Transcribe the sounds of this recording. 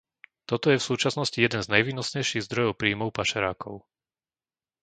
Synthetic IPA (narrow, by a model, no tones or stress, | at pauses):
t̪ɔt̪ɔjɛfsuːt͡ʃasnɔscijɛd̪ɛnznajʋiːnɔsɲɛjʃiɣzd̪ɾɔjɔʊpɾiːmɔʊpaʃɛɾaːkɔʊ